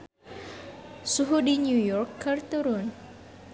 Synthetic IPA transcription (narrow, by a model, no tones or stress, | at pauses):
suɦudiɲujɔrkːərt̪uɾʊn